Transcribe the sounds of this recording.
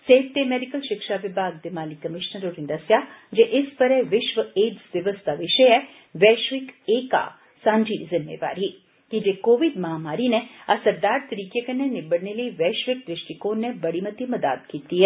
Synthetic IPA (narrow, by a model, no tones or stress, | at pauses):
seːt̪emeːɖikəlʃɪkʃaʋɪbʱaːɡ̚d̪ɪmaːlikɐmɪʃnəɾoːɾɪ̃nd̪ɐsjad͡ʒeʔɪspɐɾeʋɪʃʋəeːd͡ʒzʋɐʋəst̪ʰaʋɪʃəɛ | ʋɛːʃʋɪkeːka̰ | sãːɲd͡ʒizɪmːḛːʋa̰ːɾi | kid͡ʒeːkoːʋid̪mɐɦamaːɾineɐsɐɾd̪aːɾt̪ɐɾiːkjekənenɪbəɽneləiʋɛːʃʋɪk̚d̪ɾɪʃʈikoːnːebɐɽimɐt̪imɐd̪a̰ːt̪kiːt̪iɦɛ